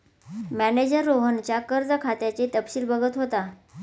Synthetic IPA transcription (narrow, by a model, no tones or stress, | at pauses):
mæned͡ʑəɾːoɦənt͡ɕjakəɾd͡zəkʰat̪jat͡ɕet̪əpɕiːlbəɡət̪ɦot̪a